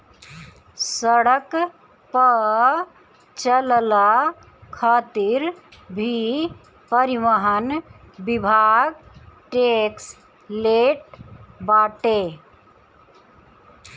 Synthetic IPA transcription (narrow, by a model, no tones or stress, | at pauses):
səɽək | pə | t͡ʃəlla | kʰaːt̪iɾbʱi | pəɾiʋəɦən | bibʱaːɡʈeks | leːʈ̚baːʈe